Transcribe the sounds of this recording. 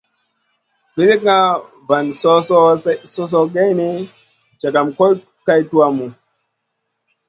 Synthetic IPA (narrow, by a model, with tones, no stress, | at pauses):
ɓi˦ɾi˦k̚ŋa˦ | va˨nsɔ˦sɔ˦so˦s̬o˦ɡe˦ni˦ | t͡ʃa˨ɡa˨mko˦j | ka˦jtu˦a˦mu˨